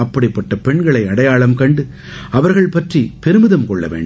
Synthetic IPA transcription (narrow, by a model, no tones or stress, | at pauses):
ɐpːɐɽɪpːɐʈːɐpɛɳɡɐɭɐɪɐɽɐjaːɭɐmkɐɳɖɯ | ɐʋɐɾɣɐɭpɐʈripɛɾɯmɯðɐmkɔɭːɐ̰ʋḛːɳɖ